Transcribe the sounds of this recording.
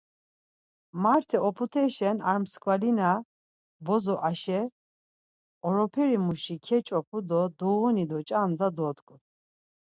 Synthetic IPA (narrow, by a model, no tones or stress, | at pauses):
maɾt̪ʰɛɔpʰut̪ʰɛʃɛnaɾmskʰʼwalina | bɔzɔʔaʃɛ | ɔɾɔpʰɛɾimuʃikʰɛt͡ʃʼɔpʰud̪ɔd̪ɔwɔnid̪ɔt͡ʃʼand̪ad̪ɔd̪kʼu